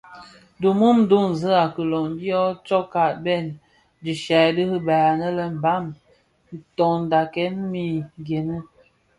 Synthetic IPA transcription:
du˨mu˦m˦du˦˨ŋn̩˨zə˦a˨kə˨lɔ˨ŋdi˦ɔ˦t͡ʃɔ˦ka˨tbɛ˦˨n | d͡ʒi˨ʃa˨də˦hə˦baː˨nə˦lə˦m̩˨ba˦˨m | n̩˨tɔ˨n˨da˨kɛ˦nmi˦˨ɡe˨nə˦

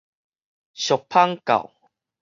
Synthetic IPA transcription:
ɕɔ˨k̚pʰa˦ŋka̰˨˩w

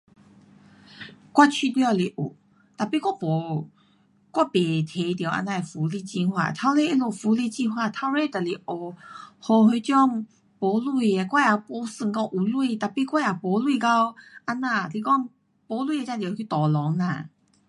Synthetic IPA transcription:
kwa˥˧t͡ɕʰi˧ljɔ˥˧li˧˩ʔṵ˨˩ | t̪a˨pi˧kwa˦˥pɔ˨˦ | kwa˦˧pe˨˩t̪ʰe˨˧t̪je˨˩wʔa̰˧nã˧˨e˨fu˨˦li˧t͡ɕĩ˧nhwa̰˧˩t̪ʰa˧˦wle˥˧˨i˦lo˨˩fu˨˧˦li˧˨t͡ɕi˧ɦwa˧˨t̪ʰa˧˦wle˧t̪a˨li˧˩ʔo˨˩hɔ˧he˧t͡ɕjɔ˥˧˨ŋ | pɔ˨˧˦lu˧˨e˧kwa˥˧ja˨˩pɔ˧˦sɨ˧ŋkɔ˧˨ŋʔu˨˩lwu˧˨t̪a˨˩pi˧˨kwa˥˩ja˨pɔ˨˦lwi˥˧ka˧wʔa˧nã˧li˧˩kɔ˦˧ŋ | pɔ˨˦lu˧˨e˧t͡ɕã˥˧˩t̪jkʰi˧t̪ɔ˨˩lɔ˨˦ŋla̰˧˨

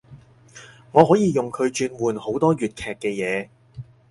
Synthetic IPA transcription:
ŋɔː˨˧ɦɔː˨˥jiː˧jʊ˨ŋkʰɵ˨˧ɥt͡ʃyː˧n̚muː˨˩nho˨˥wt̪ɔː˥ɥyː˨˩t̚kʰɛː˨kːɛː˧jɛː˨˧

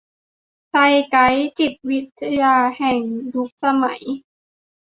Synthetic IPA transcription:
sa˧jka˦˥jt͡ɕi˨˩p̪̚wi˦˥t̪ʰːa˧jaː˧hɛː˨˩ŋdu˦˥k̚sa˧ma̰˨˩˦j

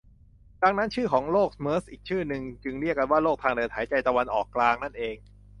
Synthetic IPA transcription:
da˧ŋna˦˥nt͡ɕʰɯː˥˩kʰɔː˩˦ŋloː˥˩k̚mɤː˦˥sʔiː˨˩k̚t͡ɕʰɯː˥˩nɯ˧ŋt͡ɕɯ˧ŋɾi˥˩əkːa˧nwaː˥˩loː˥˩k̚t̪ʰaː˧ŋdɤː˧˩t̪̚ʰːaː˩˦jt͡ɕa˧jt̪a˧wa˧nʔɔ̰ː˨˩kːlaː˧ŋna˥˩nʔeː˧ŋ

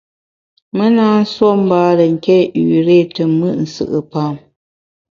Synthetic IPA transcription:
mə˦naː˦n̩˦swo˦m̩˦baː˦lə˨ŋ̩˨kɛ˦ʔʉ˨ɾeː˦˨tə˨mɨ˦˨ʔn̩˨sɨ̰˦˨ʔɨ˨paː˨˦˨m

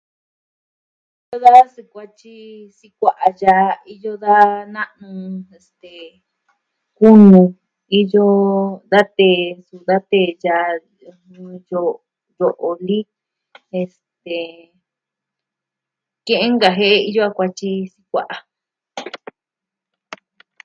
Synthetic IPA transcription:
ii˦jo˦ða˦si˧kʷa˧t͡ʃi˦ | si˧kʷa˨ʔa˧ja˧i˦˧jo˦ða˦nã˦ʔnũ˧e˨st̪e˨ | ku˦nũ˧ | i˦jo˦d̪a˦t̪e˧˨su˨d̪a˦t̪e˧˨ja˧ | ũ˧jo˧ | jo˨ʔo˨li˦ | e˧s | t̪e˨ | kẽ˦ʔẽ˦ŋɡa˧ɦe˦ʔe˦˧i˧jo˦a˧kʷa˧t͡ʃi˧si˦kʷa̰˦˨ʔa˨

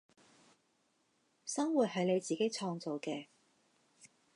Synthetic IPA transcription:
sɐ˥ŋwuː˨˩t̚ɦɐ˨˧jne˨˧jt͡siː˨ke˥jt͡sʰɔː˧ŋt͡so˨wkɛː˧

